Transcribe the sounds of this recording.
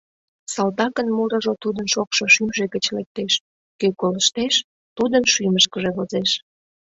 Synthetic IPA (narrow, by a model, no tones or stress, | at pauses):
sɑlt̪ɑkənmuɾə̆ʒot̪ud̪ənʃokʃoʃymʒe̽kət͡ɕlek̚t̪eʃ | køkoləʃt̪eʃ | t̪ud̪ənʃyməʃkəʒeβozeʃ